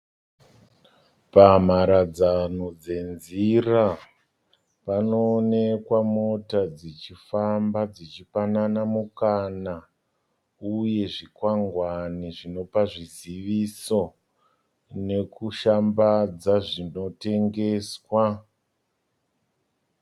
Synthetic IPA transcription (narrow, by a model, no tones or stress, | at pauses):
pam̤aɾad͡zanod͡ze̞nzira | panoːne̞kwamo̞tad͡zit͡ʃifambad͡zit͡ʃifananamukana | uje̞ʐikwaŋɡwaniʐino̞paʐiziʋiso̞ | ne̞kuʃambad͡zaʐino̞te̞ŋɡe̞ːswa